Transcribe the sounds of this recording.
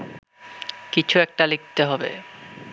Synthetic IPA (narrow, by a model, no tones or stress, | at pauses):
kit͡ɕʰuɛk̚ʈalik̚t̪eɦɔbḛ